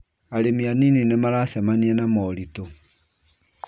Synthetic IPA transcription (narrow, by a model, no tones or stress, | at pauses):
aɾemianininemaɾasɛmaniɛnamɔɾito